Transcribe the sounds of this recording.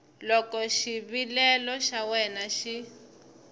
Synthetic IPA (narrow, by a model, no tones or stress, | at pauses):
lɔkɔʃiβilɛlɔʃawɛnaʃi